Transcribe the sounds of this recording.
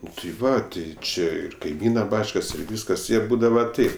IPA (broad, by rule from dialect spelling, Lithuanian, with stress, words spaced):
ˈnʊ tɐɪ ˈʋɐ tɐɪ ˈt͡ʃʲɪ ɪr kɐɪˈmʲiːnɐ ˈbɑːt͡ʃkɐs ɪr ˈʋʲiːskɐs ɪr ˈbuːdɐʋɐ ˈtɐɪp